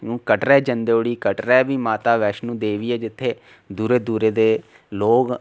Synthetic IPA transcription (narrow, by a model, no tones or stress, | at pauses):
nũːkəʈɾɛːd͡ʒənd̪eoːɽiːkəʈɾɛːbiːmaːt̪aːʋɛːʃnũːd̪eːʋiːɛːd͡ʒɪt̪ʰːeː | d̪uːɾeːd̪uːɾeːd̪eː | loːɡ